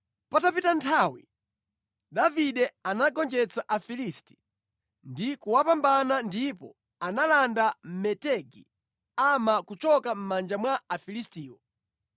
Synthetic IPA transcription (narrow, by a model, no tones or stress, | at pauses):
patapitantʰawḭ | daviɗɛanaɡɔnd͡ʒɛt͡saʔafilisti̥ | ndikuwapambanandipɔ̰ | analandam̩mɛtɛɡḭ | amakut͡ʃɔkam̩mand͡ʒamwaːfilistiːwɔ